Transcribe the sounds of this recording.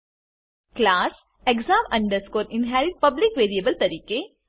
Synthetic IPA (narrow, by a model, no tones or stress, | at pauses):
klaːs | ekzãːmɐ̃ɳɖəɾskoːɾinɦæːɾiʈ̚pɐblikʋeːɾijebəlt̪ɐɾiːke